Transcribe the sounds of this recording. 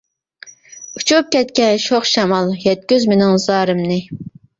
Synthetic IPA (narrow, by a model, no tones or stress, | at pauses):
ut͡ʃʰup̚kʲɛt̪kʲɛnʃoχʃɑmɑlˠjɛt̪̚kʲyzmɪnɪŋzɑːɾɨmnɨ